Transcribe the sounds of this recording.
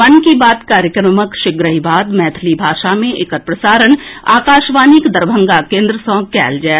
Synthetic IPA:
mɐnkibaːd̪kaːɾjəkɾəməkʃɪɡɾəɦibaːd̪mɛːt̪ʰlibʱaːʃamẽʔɪkət̪̚pɾəsaːɾəna̰ːkaːʃʋaːnikd̪ɐɾbʱə̃ŋɡakẽːnd̪ɾəsɔ̃ːɡ̚kɛ̰ːld͡ʒaː

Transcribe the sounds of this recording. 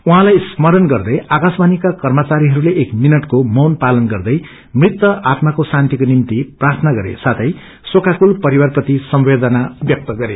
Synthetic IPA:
uɦãlajsmʌɾʌnɡʌrd̪ʌjakasbanikakʌrmʌt͡saɾiɦʌɾuleʔekminʌʈkomʌwnpalʌnɡʌrd̪ʌj | mrit̪wʌʔat̪makosant̪ikonimt̪iprart̪ʰʌnaɡʌɾḛsat̪ʰʌj | sokakulpʌɾiwarprʌt̪isʌmwed̪ʌnabjʌk̚t̪ʌɡʌɾe

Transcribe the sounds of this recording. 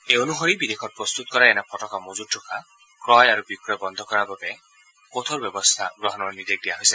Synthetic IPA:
eonuɦoɾibid̪ekʰɔt̚pɾɔst̪ut̪ɔkɔɾaenapʰɔʈɔkamozuʈʰːukʰa | kɾɔjaɾubikɾɔjbɔnd̪ʱɔkɔɾababe | kot̪ʰoɾbjɔbɔst̪ʰaɡɾɔɦɔnɔnid̪ek̚d̪ijaɦojsa

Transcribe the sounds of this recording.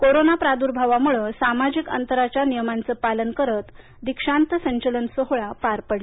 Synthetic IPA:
koɾonapɾad̪uɾbʱaʋamuɭəsamad͡ʑikə̰nt̪əɾat͡ɕjanijəmant͡səpalənkəɾət̪ | d̪ikʂant̪əsəɲt͡ɕələnsəɦɭapaɾpəɽe

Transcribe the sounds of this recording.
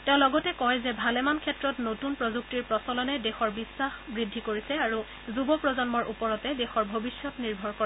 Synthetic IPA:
tɛʊ̃lɔɡɔtɛkɔjzɛbʱalɛmankʰɛtɹɔtnotunpɹozuk̚tiɹpɹɔsɔlɔnɛdexɔɹbisːaxbɹidʱːikoɹisɛaɹu | zubɔpɹɔzɔnmɔɹʔṵpɔɹɔtɛdexɔɹbʱobisːɔtniɹbʱɔɹkoa

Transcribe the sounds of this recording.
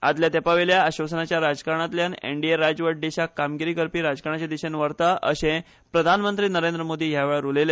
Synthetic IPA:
a̰d̪ljat̪epaʋeljaːɕʋəsənat͡ɕjaɾad͡zkaɾɳ̃at̪ljanḛɳɖieɾad͡zʋəʈ̚ɖeɕakamɡiɾiːkəɾpiːɾad͡zkaɾɳat͡ɕad̪iɕənʋəɾt̪aʔəɕẽ | pɾəd̪ʱanmənt̪ɾiːnəɾẽnd̪ɾəmod̪ʱiːɦjaʋeɭəɾulele

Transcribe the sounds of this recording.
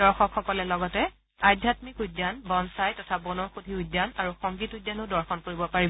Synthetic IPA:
dɔɹxɔkxɔkɔlɛlɔɡɔtɛ | ajdʱjatmikudːanbɔnsajtɔtʰabɔnɔxudʱiudːanaɹuxɔŋɡitujdanodɔɹxɔnkoɹibɔpaɹibɔ

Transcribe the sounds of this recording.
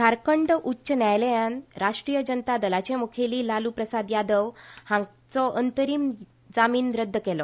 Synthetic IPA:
kaɾkəɳɖʔutːɕənjajləjanɾaʂʈɾiːjəd͡ʑənt̪ad̪əlat͡ɕemukʰeliːlaluːpɾəsad̪jad̪əʋhãŋ | t͡sɔʔənt̪əɾiːm | d͡zamiːnɾəd̪ʱːəkɛlɔ

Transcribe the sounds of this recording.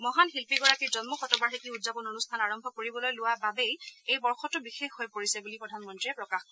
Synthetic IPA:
mɔɦanɦilpiɡɔɹakiɹzɔnmɔxɔtɔbaɹɦekiudzapɔnonustʰanaɹɔmbʱɔkoɹibɔlojlʊwababejejbɔɹxɔtʊbixexɦojpoɹisɛbulipɹɔdʱanmɔntɹiɛpɹɔkaxkɔ

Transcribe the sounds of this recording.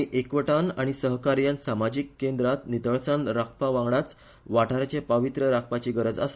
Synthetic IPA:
iʔekʋəʈanaɽ̃isəɦkaɾjansamad͡ʑikːend̪ɾat̪nit̪əɭsãnɾakʰpaʋãŋɡɽat͡s | ʋaʈʰaɾt͡ɕepəʋit̪ɾəɾak̚ʰpat͡ɕiːɡəɾəd͡za̰s

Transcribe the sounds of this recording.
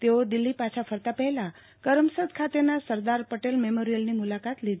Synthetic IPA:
t̪eod̪ilːipat͡ɕʰafʰəɾt̪apəɦla | kəɾəmsəd̪kʰat̪enasəɾd̪aɾpəʈelmemoɾijəlnimulakat̪lid̪

